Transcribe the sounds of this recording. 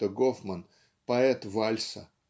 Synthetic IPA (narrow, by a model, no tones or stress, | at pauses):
əɡofmən | pɐɛt̪valʲsə